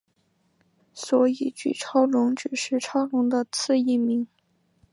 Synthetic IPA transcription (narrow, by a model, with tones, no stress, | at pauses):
swɔ˧˥i˨˩t͡ɕy̰˥˩ʈ͡ʂʰɑ˥ʊlʊ˧˥ŋʈ͡ʂɻ̩˨˩ʂɻ̩˥˩ʈ͡ʂʰɑ˥ʊlʊ˧˥ŋd̪ə˧t͡sʰɹ̩˥˧i˥˩mi˧˥ŋ